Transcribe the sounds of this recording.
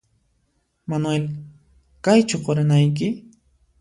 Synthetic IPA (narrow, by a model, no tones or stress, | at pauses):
manwel | kajt͡ʃʊqoɾɪnajk̬ɪ